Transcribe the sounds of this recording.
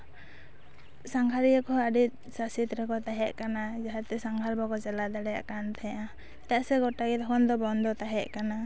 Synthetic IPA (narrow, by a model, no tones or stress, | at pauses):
saŋɡʰʱaɾijakɔaɖit̪̚ˀsasit̪ɾɛkɔt̪aɦɛʔkanad͡ʒaɦat̪ɛsaŋɡʰalbɔkɔt͡ʃalad̪aɽɛja̰ʔkant̪ʰɛʔa | t̪aʔsɛɡɔʈaɡɛd̪ɔkʰɔnd̪ɔbɔnd̪ɔt̪aɦɛʔkana